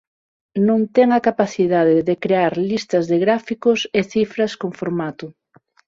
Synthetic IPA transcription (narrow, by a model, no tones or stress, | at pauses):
nõnt̪ɛŋakapaθiðaðɪðekɾeaɾlist̪ɐzðeɣɾafikoseθifɾɐskoŋfoɾmat̪ʊ